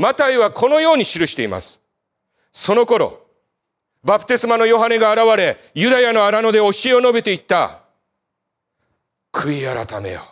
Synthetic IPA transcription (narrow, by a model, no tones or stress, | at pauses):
mat̪aiβakʰo̞no̞jo̞ːɲ̟iɕiɾɯ̟ɕi̥t̪e̞ima̰sɨ̥ | so̞no̞ko̞ɾo̞̰ | bapɯ̟̥t̪e̞sɨmano̞jo̞ɦane̞ɡaːɾaβaɾe̞ | jɯ̟d̪ajano̞aɾano̞d̪e̞o̞ɕie̞o̞no̞be̞t̪e̞it̪ːa̰ | kʰɯ̟iaɾa̰t̪ame̞̰jo̰